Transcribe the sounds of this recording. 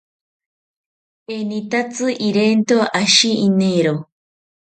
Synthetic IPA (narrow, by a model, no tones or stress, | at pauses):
enit̪at͡sɨʔiɾent̪oʔaʃiineɾo